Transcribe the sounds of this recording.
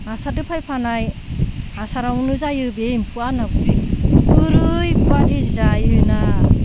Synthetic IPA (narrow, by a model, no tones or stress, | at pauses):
asadɯpʰajpʰanaj | asaɾawnɯzajɯbempʰuanabuɾiɯɾɯjpʰuadizajɯna